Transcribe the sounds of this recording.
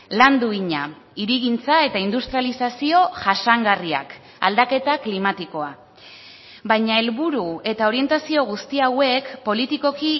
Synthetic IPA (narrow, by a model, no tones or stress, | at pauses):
land̪uiɲa | iɾiɣint͡sae̞t̪aind̪ust̪ɾijalisasio̞ʝasaŋɡaria̰k | a̰ld̪ake̞t̪aklimat̪iko̞a | bajɲae̞lβuɾue̞t̪ao̞ɾie̞nt̪asio̞ɣ̞ust̪iawe̞kpo̞lit̪iko̞ki